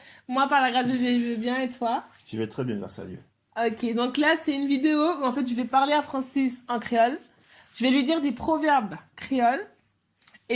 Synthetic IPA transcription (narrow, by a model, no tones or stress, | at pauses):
mwapaʁlaɡʁasozeʒəvɛbjɛ̃et̪waʒivɛt̪χɛbjɛ̃d̪vwa̰ʁsa̰ljø̰ | ɔkʲed̪ɔ̃klasɛynvid̪eouɑ̃fɛt̪ʒəvɛpaʁleafχɑ̃sisɑ̃kχeɔl | ʒ̥əvɛlɥid̪iʁd̪epχɔvɛʁbkχeɔl | e